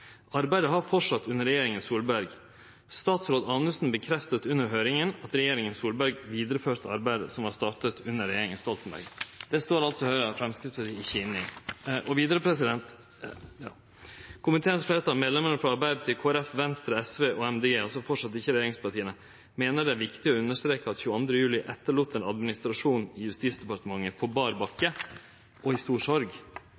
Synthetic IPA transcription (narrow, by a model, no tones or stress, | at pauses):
ɑɾbæɪd̪əɦɑɾfɔʂɑt̪ːʉnːəɾɛjeːɾɪŋənsuːlbæɾɡ | st̪ɑːt̪sɾoːd̪ɑːnəsn̩bəkʰɾɛft̪ət̪ʉnːəɾɦøːɾɪŋənɑt̪ɾɛjeːɾɪŋənsuːlbæɾɡʋiːd̪əɾəføːɾt̪əɑɾbæɪd̪ə̰sɔmhɑst̪ɑːʈət̪ʰʉnːəɾɛjeːɾɪŋənst̪ɔlt̪n̩bæ̰ɾɡd̪̥ɛst̪oːɾɑlt̪sɔhœʏɾɑfɾɛmskɾɪt̪spʰɑɾt̪ʰiːɪçɪnɪʔɔʋiːd̪əɾəpʰɾɛsɪd̪ɛnt̪ | jɑ̰ː | kʰʊmɪt̪ʰeːənsfleːət̪ʰɑlmeːd̪lɛmənəfɾɑɑɾbæɪd̪̚t̪ʰɪlkʰoːæɾɛfʋɛnst̪ɾəɛsʋeːʔɔɛmd̪eɡeːɑlsɔfɔʈʂɑt̪ːɪçəɾɛjeːɾɪŋspʰɑʈʰiːənə | meːnəɖɛæɾʋɪkt̪ɪɔʉnːəʂt̪ɾeːkəɑt̪çʉːəɑnd̪ɾəjʉːlɪʔɛt̪ːəɭuːt̪ːɛːnɑd̪mɪnɪst̪ɾɑʂuːnɪjʉst̪iːt̪sd̪ɛpɑɾʈ̪əmɑŋːəpʰɔbɑɾbɑkːə | ʔɔɪst̪uːʂɔɾɡ